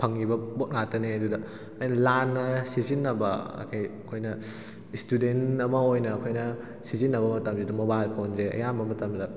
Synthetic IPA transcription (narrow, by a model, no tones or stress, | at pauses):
pʰɐŋːibɐbot̚natɐneɐdudɐ | ɐjnɐlanːɐsizinːɐbɐɐ̰kʰɐjɐkʰojnɐ | istudenɐmɐojnɐːkʰojnɐ | sizinːɐbɐmɐtɐmsidumobajlpʰonzeɐ̰jambɐmɐtɐmdɐ